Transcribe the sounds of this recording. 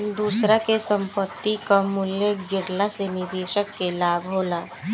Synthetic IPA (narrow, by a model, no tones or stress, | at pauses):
nd̪uːsɾakesə̃mpət̪ːikamʊljeɡɪɽlasenɪdeːʃəkːelaːbʱɦoːlaː